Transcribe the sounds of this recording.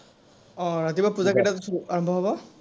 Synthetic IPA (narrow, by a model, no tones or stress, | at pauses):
ɔɹat̪ibapuzakɛʈatsuaɹɔmbʱɔɦɔbɔ